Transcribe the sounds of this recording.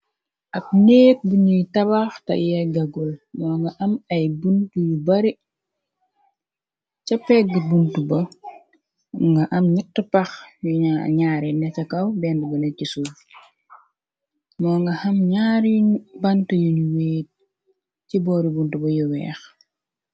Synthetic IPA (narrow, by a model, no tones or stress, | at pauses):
ɐp̚neːk̚buɲujtɐβaxtɐ̰jɐɡɐɡulmɔːŋɡɐʔɐmɐjbuntujubɐɾi | cɐpːɛk̚ɡibuntubɐ | ŋɡɐʔɐmɲitːəpɐxjuaɲaːɾinɛcɐkɐwbɛːndubɐnɛcisu | mɔːŋɡɐhɐmɲaːɾibɐntɐjunuweːt̚ | cibɔːɾibuntubɐjuwɛ̰ːx